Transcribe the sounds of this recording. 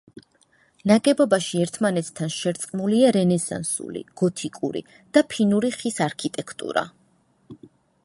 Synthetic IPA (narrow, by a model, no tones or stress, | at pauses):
naɡɛbɔbaʃiɛɾt̪ʰmanɛt̪ʰt̪ʰanʃɛɾt̪sʼqʼmuliaɾɛnɛsa̰nsṵlḭɡ̥ɔt̪ʰikʼṵɾḭ | d̪̥apʰinuɾiχisaɾkʰit̪ʼɛkʰt̪ʼṵɾa̰